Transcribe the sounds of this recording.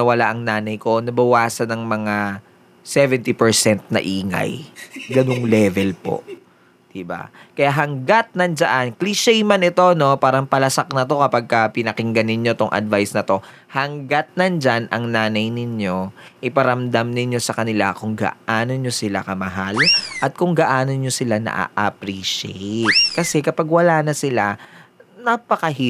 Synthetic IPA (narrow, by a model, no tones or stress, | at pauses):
ɐwɐlaʔɐŋnaːnɐjko̞nɐbɐwaːsɐnɐŋmɐŋa | sɛvɛnt̪ipɛɹsɛnt̪̚nɐ̰ʔiːŋɐ̰jɡɐnoŋlɛːvɛlpo̞̰ | d̪̥ɪba̰kɐjaɦɐŋɡat̪̚nɐnd͡ʒɐʔankliʃɛjmanɪt̪o̞no̞paːɾɐŋpɐlɐsak̚nɐt̪o̞kɐpaɡ̚kɐpɪnɐkɪŋɡɐnːɪɲjo̞t̪o̞ŋʔɐ̰d̪vajsnɐt̪o̞ | hɐŋɡat̪̚nɐnd͡ʒanʔɐŋnaːnɐjnɪɲjo̞ʔɪpɐɾɐmd̪amnɪɲjo̞sɐkɐnɪla̰kʊŋɡa̰ʔaːno̞ɲo̞sɪla̰kɐmɐɦalʔɐt̪̚kʊŋɡaʔaːno̞nɲo̞sɪlanɐ̰ʔa̰ʔɐ̰pɾiːʃɛjt̪̚kɐsɛkɐpaɡwɐlaːnɐsɪla | nɐpɐkɐɦi